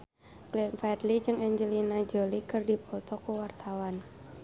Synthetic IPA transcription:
klinfɛd̪lid͡ʒɨŋɛɲd͡ʒəlinad͡ʒɔlikɨrdipɔt̪ɔkuwart̪awan

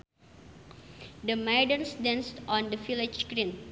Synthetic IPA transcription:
d̪əmaɪdə̃nsdãnstɔ̃nd̪əfilɪd͡ʒskɾĩn

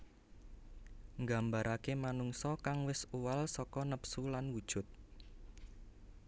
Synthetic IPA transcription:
ŋɡambaɾʔakemanuŋsɔkaŋwɪsuwalsɔkɔnəpsulanwud̥ʒ̥ʊ̤t̪̚

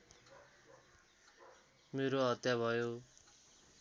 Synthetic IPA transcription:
meɾoʌt̪jabʱʌjo

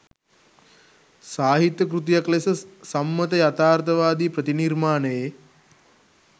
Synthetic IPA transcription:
saːɦit̪jəkɾut̪̬jaklesəsamːət̪əjat̪aːrt̪əʋaːd̪iːpɾət̪inirmaːnəje

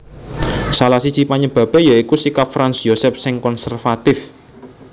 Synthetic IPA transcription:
salasi̥t͡ʃipaɲəb̥a̤pe̤jaikusikap̚fɾansjosɛp̚sɪŋkɔnsɛrfat̪ɪf

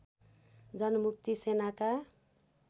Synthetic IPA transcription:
d͡zʌnʌmuk̚t̪isenaka

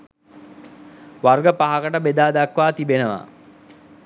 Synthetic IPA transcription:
ʋarɡəpaɦakəʈəbed̪aːd̪akʋaːt̪ibenəʋa̰

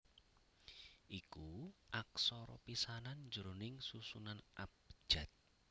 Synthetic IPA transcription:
ʔikuʔaksɔɾɔ̰pisanand͡ʒəɾonɪŋsusunanʔap̚ʒ̥a̤t̪̚

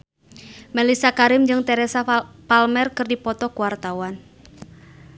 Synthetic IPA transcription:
mɛlisakaɾɪmd͡ʒɨŋt̪ɛɾɛsapalmɛrkɨrdipɔt̪ɔkuwart̪awan

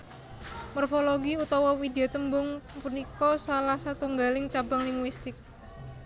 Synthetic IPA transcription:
mɔrfoloɡiut̪ɔwɔwid̪eot̪əmbʊŋpunikɔsalahsat̪uŋɡalɪŋt͡ʃabaŋliŋwist̪ɪk̚

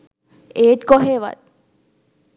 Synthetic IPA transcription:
eːt̪kɔɦeʋa̰t̪̚

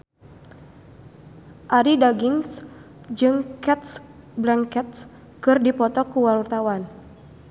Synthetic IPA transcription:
ʔaɾidaɡiŋs | d͡ʒɨŋkɛt̪̚s | blaŋkɛt̪̚s | kɨrdipɔt̪ɔkuwalwart̪awan

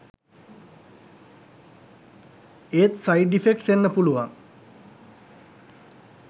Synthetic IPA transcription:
eːt̪sajɖifekʈsenːəpuluʋaŋ

